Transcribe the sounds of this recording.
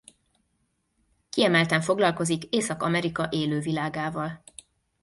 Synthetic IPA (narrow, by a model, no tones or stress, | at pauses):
kiɛmɛlt̪ɛɱfo̞ɡlɒlko̞zikeːsɒkɒ̰mɛɾikɒʔeːløːvilaːɡaːvɒl